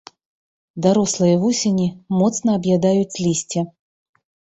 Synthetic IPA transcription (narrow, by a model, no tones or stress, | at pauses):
d̪aɾɔslˠɨjɐvusʲenʲimɔt̪snɐːbjad̪ajut͡sʲlʲisʲt͡sʲɛ